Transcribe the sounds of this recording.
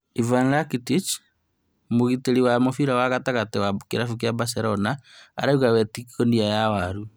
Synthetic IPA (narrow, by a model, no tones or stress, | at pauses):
ivanlakitit͡ʃ | moɣiteɾiwamofiɾawaɣataɣatewakeɾafuk̬jabaseɾɔnaa̰ɾauɣawɛtikkondiajawaɾu